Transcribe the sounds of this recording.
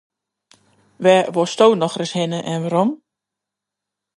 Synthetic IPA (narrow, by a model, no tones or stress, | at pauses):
ʋɛʋostoːnɔxrəshɪnəʔɛnʋaɾɔm